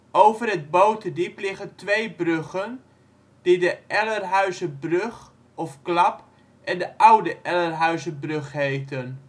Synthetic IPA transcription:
ʔowvərɦəd̚bowtədiplɪχəntʋejbrøχən | d̥idəʔɛlərɦœɥzəbrɵχ | ɔfklɑp | ʔɛndəʔɑwdəʔɛlərɦœɥzəbrøχɦejtən

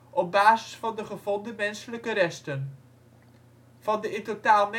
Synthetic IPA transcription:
ʔɔb̚baːzɪsfɑndəχəv̥ɔndəmɛnsələkəɾɛstən | vɑndəɪtotaːlˠmɛ

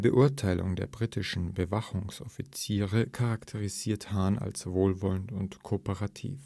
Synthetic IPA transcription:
bəʔʊɐtʰaɪlʊ̰ŋdḛːɐbʁitɪʃn̩bəvaχʊŋsʔɔfit͡siːʁəkʰaʁaktʰəʁiziːɐthaːna̰lsvoːlvɔləntʊntkʰoːpəʁatʰḭːf

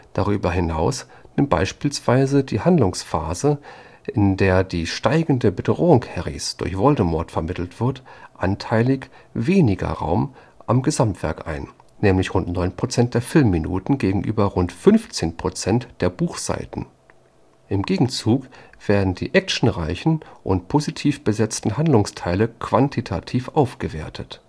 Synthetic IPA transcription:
d̥aʁyːbɐɦɪnaʊs | nɪmt̚b̥a̰ɪʃpiːlsv̥aɪzədiːhandlʊŋsfaːzə | ʔɪndeːɐdiːʃtaɪɡŋ̩dəbədʁoːʊŋkhɛʁḭsd̥ʊ̰ɐçv̥ɔldəmɔɐtfɛɐmɪtl̩tv̥ɪɐtʔantʰaɪlɪçveːnɪɡɐ̰ʁa̰ʊm | ʔamɡəzamtv̥ɛ̰ɐkʔa̰ɪnː | ɛːmlɪçʁʊntnɔʏnpʁ̥ot͡sɛnt̚d̥eːɐfɪlmːinṵːtn̩ɡeːɡŋ̩ʔy̰ːbɐʁʊntfʏnft͡seːnpʁ̥ot͡sɛntd̥eːɐbuːxz̥a̰ɪtn̩ | ʔɪmɡeːɡŋ̩t͡suːkv̥eːɐdn̩dḭːʔɛk̚ʃn̩ʁaɪçn̩ʔʊ̰ntpʰozitʰiːfb̥əzɛt͡stn̩ɦandlʊŋstʰaɪləkv̥antʰitʰatʰiːfʔaʊfɡ̥əveːɐtʰət

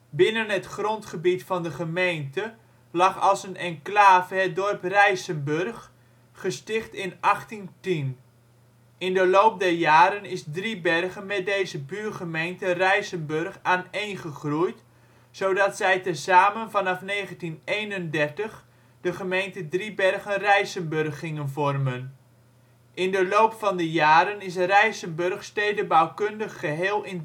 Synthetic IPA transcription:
bɪnənɦətχrontχəbitfɑndəχəmejntə | lɑχɑlˠsənɛnklaːvəɦɛt̚dɔrprɛjsənbørχː | əstɪχtɪnʔɑχtintin | ɪndəlowp̚dɛrjaːɾənɪsdribɛrɣənmɛt̚dejzəbyːrχəmejntərɛjsənbørχaːnejnχəχrujt | sowdɑtsɛjtəzaːmənvɑnɑfneːχəntinejnəndɛrtəχ | d̥əχəmejntədribɛrχənrɛjsənbørχːɪŋənvɔrmən | ʔɪndəlowpfɑndəjaːɾənɪs̬rɛjsənbørχsteːdəbawkʏndəχːəɦeːlˠɪn

